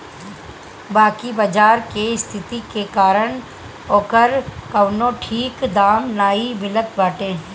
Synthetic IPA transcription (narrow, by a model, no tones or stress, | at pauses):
baːkibad͡ʒaːɾkeɪst̪ʰɪt̪ikekaːɾəɳ̃ | oːkəɾkəʋnõːʈʰiːkd̪aːmnaːiʋɪlət̪baːʈeːɦ